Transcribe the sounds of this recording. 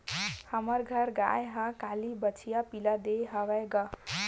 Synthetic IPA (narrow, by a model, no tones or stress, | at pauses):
hʌmʌɾɡʱʌɾɡa̰jɦʌ̃kalibʌt͡sʰijapilad̪eɦʌʋajɡʌ